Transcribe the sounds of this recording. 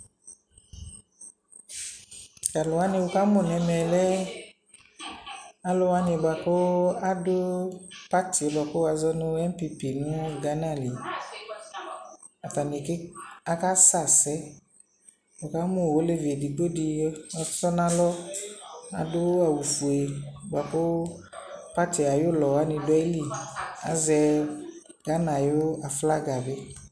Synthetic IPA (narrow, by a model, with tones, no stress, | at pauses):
ka˨lʊ˨wa˦nĩ˧ʊ˨ka˦mʊ˨nɛ˧mɛ˨lɛ˦ | a˦lɔ˧wa˦nɪ˨ba˨ko˦a˦dʊ˦pa˦ti˨e˨ba˨ko˦a˧zɔ˦nʊ˧ɛ˦m˦pi˧pi˨nʊ̃˦˨ɡa˨˦na˦˨li˨ | a˨ta˨ni˨kɪ˦a˨˦ka˦sa˦˨sɛ˦ | ɔ˨ka˦mʊ˦˨wo˦le˦ve˨di˨ɡ͡bo˦di˧˦ɔ˧sɔ˦nã˦lɔ˦ | a̰˨dʊ˦a˨wu˨fu˨e˨˦ba˨kʊ˦ | pa˦tɪ˨a˨jʊ˦lɔ˨wa˦nɪ̃˧dʊ˨˦ɛ˦li˦˨a̰˨zɛ˧ | ɡ̥a˨˦nã˨jʊ˦a˨fla˦ɡa˨bɪ˦